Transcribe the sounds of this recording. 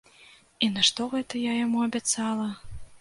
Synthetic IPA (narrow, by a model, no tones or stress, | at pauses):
inɐʂt̪ɔɣɛt̪ɐjajamuɐbʲat̪salˠɐ